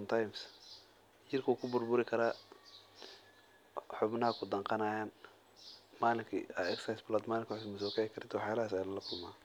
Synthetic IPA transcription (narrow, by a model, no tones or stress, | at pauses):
mt̪ʰajms | t͡ʃɪrkʰɐuːkʰʊbʊrbʊɾɪkʰɐɾaː | ħʊbnɐɦɐkʰʊd̪ɐŋqɑnaːjaːn | maːlɪŋkʰḭaɛksajsblɔːd̪maːlɪŋkʰʊħʊsmɐsɔːkʰɛjɪkʰɐɾɪt̪ʰɔħjaːlɐhːs̬ajlɐlɐkʰʊlmaː